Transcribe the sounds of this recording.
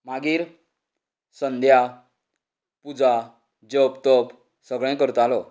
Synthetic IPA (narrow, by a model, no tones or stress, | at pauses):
maɡiːɾ | sənd̪ʱja | pud͡za | d͡ʑəpt̪əp | səɡɭɛ̃kəɾt̪alɔ